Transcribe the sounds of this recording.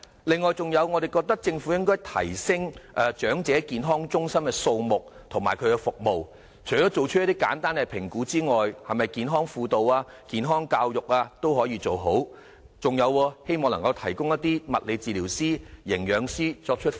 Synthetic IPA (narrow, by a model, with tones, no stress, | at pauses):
lɪ˨ŋːɔː˨jt͡sʊ˨ŋjɐ˨˧wŋɔː˨˧d̪e˨˩jkɔː˧k̚t̪ɐ˥k̚t͡sɪ˧ŋfu˨˥jɪ˥ŋkɔː˥jt̪ʰɐ̰˨˩jsɪ˥ŋʔɐː˨˧t͡ʃœː˨˥ŋt͡sɛː˨˥kiː˨nɦɔː˥ŋt͡ʃʊ˥ŋsɐ˥mkɛ˧so˧wmʊ˨k̚ | t̪ʰʊ˨˩maː˨˩jkʰɵ˨˧ɥkɛ˧fʊ˨k̚mo˨w | t͡ʃʰɵ˨˩tɔː˨˥t͡so˨wt͡ʃ̚ʰjɐ˥t̪iː˥ka̰ː˨˥nt̪aː˥nkɛ˧pʰɪ˨˩ŋkuː˨˥t͡siː˥ŋɔː˨jhɐ˨mɐ˨jkiː˨nɦɔː˥ŋfuː˧t̪o˨waː˧ | kiː˨nɦɔː˥ŋkaː˧wjʊ˨k̚aː˧t̪o˥whɔː˨˥jiː˧t͡so˨wɦo˨˥w | t͡sʊ˨˩ŋjɐ˨˧wwɔː˧he˥jmɔː˨˧ŋlɐ˨˩ŋkɐ˧wt̪ʰɐ˨˩jkʊ˥ŋjɐ˥t̪iː˥mɐ˨t̚le˨˧jt͡siː˨liː˨˩wsiː˥jɪ˨˩ŋjœː˨˧ŋsiː˥t͡ʃɔː˧k̚t͡ʃʰɵ˥t̚